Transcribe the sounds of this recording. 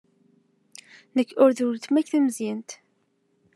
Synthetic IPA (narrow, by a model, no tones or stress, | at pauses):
nəkːʊɾðult̪mæçθæmzint̪